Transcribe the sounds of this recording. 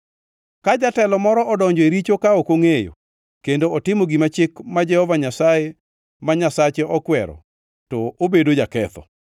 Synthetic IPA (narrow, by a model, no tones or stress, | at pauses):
kad͡ʒatɛlɔmɔɾɔʔɔdɔɲd͡ʒɔeɾit͡ʃokaokoŋejo̰ | kendoɔtɪmoɡimat͡ʃɪkmad͡ʒɛhɔvaɲasaje | maɲasat͡ʃeʔɔkwɛɾɔ̰ | tɔʔobedod͡ʒakɛt̪ɔ̰